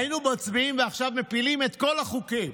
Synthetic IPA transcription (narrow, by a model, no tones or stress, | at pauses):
jinubat͡sbiimveaχʃavme̞pilime̞t̪ko̞laχukim